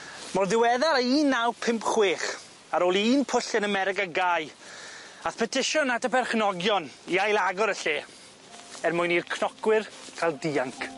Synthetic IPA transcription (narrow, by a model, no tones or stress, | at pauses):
mɔrðɪwɛðaɾəiːnːawpʰɪmpχweːχ | aɾoːlˠiːnpʰʊɬɪnəmɛɾɪkaɡaj | aθpʰɛtʰɪʃʊnadəpɛrχnɔɡjɔniajlˠaɡɔɾəɬeː | ɛrmʊjniːrkʰnɔkwɪrkʰalˠdiaŋkʰ